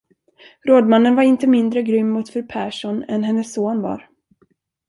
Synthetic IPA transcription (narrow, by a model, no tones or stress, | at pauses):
ɾoːd̪manːənvaɾɪnt̪əmɪnd̪ɾəɡɾʏmːʊt̪fœɾpʰæːʂɔnɛ̰nɦɛnːəsːoːnvɑ̰ːɾ